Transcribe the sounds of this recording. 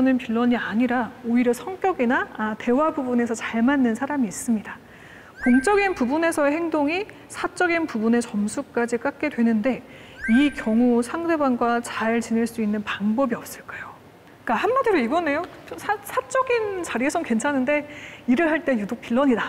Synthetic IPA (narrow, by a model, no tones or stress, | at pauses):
ʌnɯnpiɭːʌɲiaɲiɾaoiɾjʌsʰʌŋk͈jʌɡinaːte̞wabubune̞sʰʌt͡ɕaɭmanːɯnsʰaɾamiːs͈ɯmɲida | koŋt͡ɕ͈ʌɡinpubune̞sʰʌeɦeŋdoŋi | sʰat͡ɕ͈ʌɡinpubune̞t͡ɕʌmsʰuk̚k͈ad͡ʑik͈ak̚k͈e̞dwe̞nɯnde̞ | ikjʌŋusʰaŋde̞banɡwat͡ɕaɭt͡ɕineɭs͈uinːɯnpaŋbʌbiʌp̚s͈ɯɭk͈ajo | k͈ahanmadiɾoiɡʌne̞jot͡ɕomsʰasʰat͡ɕ͈ʌɡint͡ɕaɾiesʰʌkwe̞nt͡ɕʰanɯnde̞iɾɯɭɦaɭt͈e̞judok̚p͈iɭːʌɲida